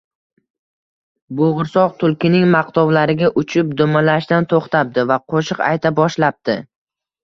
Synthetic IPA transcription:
bʊʁʊɾsɒqt̪ʰʊlˠkʲɪnɪŋmɑqt̪ɒwlaɾɪɡʲaʔʊt͡ʃʰɪp̚d̪ʊmalaʃd̪ant̪ʰoχt̪ʰap̚d̪ɪvaqʰoʃɨqa̰jt̪ʰabɒʃlap̚d̪̥ɪ

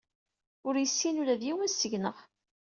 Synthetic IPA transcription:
ʊɾjəsːinuɾæðjiwənsəʝnəʁ

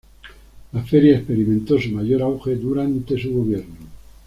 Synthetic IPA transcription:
lafeɾjaespe̞ɾimẽnt̪o̞sumaʝo̞ɾawxe̞ðuɾant̪e̞suɣoβjeɾnu

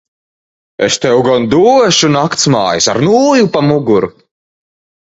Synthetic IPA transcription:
est̪ɛwɡɔnd̪uːɔʃunakt̪sma̰ːjisa̰ɾnuːjupamuɡuɾu

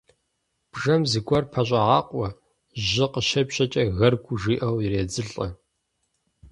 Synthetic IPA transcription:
b̥ʒɐmziɡʷɔrpʰɐɕʷʼɐʁɑːqʷʼɔ | ʑɨqəʃɐpɕɐt͡ʃʼɐɣɐrɡʷʊʒiːʔɐwireːd͡zɨɬʼɐ

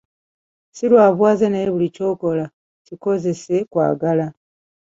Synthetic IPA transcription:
silwaːβwaːzenejβulico̞ːko̞la | ciko̞ze̞se̞kwa̰ːɡala

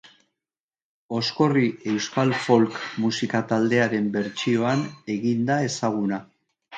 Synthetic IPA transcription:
o̞sko̞riʔe̞wskalfo̞lkmusikat̪ald̪e̞aɾe̞mbe̞ɾt͡ʃio̞ane̞ɣind̪ae̞saɣ̞una

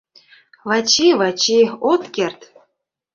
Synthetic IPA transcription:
vɑt͡ɕiβɑt͡ɕiot̪kert̪

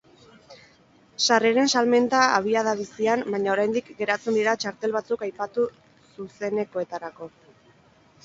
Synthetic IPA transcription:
sareɾe̞nsalme̞nt̪aaβ̞iaðaβisiambajɲaoɾajnd̪ikɡe̞ɾat͡sund̪iɾat͡ʃaɾt̪e̞lβat͡sukajpat̪u | suse̞ne̞ko̞e̞t̪aɾako̞

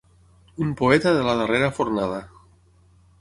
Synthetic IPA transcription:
umpoɛt̪aðelaðəreɾafoɾnað̞a

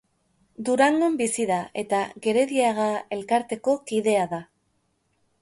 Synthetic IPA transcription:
d̪uɾaŋɡo̞mbisiðae̞t̪aɣe̞ɾe̞ðiaɣae̞lkaɾt̪e̞ko̞kiðe̞aða

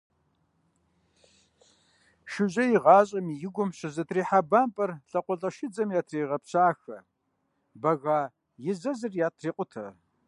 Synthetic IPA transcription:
ʃɪʑɐjɪʁɑːɕʼɐmijɪɡʷʊmɕɪzɐtʰriːħabaːmpʼɐrɬʼɐqʷʼʊɬʼɐʃɪd͡zɐmijaːtʰreːʁɐpɕaːxɐ | bɐɣaː | jɪzɐzɨrjaːtʰreːqʷʼʊtʰɐ

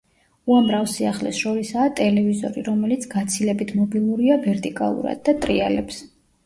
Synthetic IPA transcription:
uamɾafsiaχlɛ̰sʃɔɾisaːt̪ʼɛlɛvizɔ̰ɾiɾɔmɛlit̪sʰɡ̥at̪sʰilɛbit̪ʰmɔbilˠuɾiavɛɾt̪ʼikʼa̰lˠṵɾa̰d̪̚ːat̪ʼɾialɛps

